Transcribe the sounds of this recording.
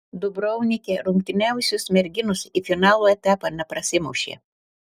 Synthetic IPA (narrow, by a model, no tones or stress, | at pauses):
d̪ʊbɾɔʊnʲɪkʲeːɾʊŋʲk̚t̪ʲɪnʲæˑʊsʲʊsmʲɛɾʲɡʲɪnʊsiːfʲɪnɑːlˠoːɛt̪ʲæːpɑːnʲɛpɾɐsʲɪmɐʊʃʲḛː